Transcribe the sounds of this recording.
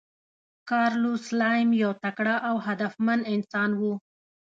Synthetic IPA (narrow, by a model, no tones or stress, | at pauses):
kɑɾluslɑjmjawt̪akɽaʔawɦad̪afmanɪnsɑnwu